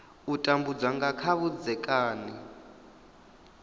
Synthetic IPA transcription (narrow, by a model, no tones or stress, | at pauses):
utʼambud͡zaŋɡakʰaβud͡zɛkʼaːni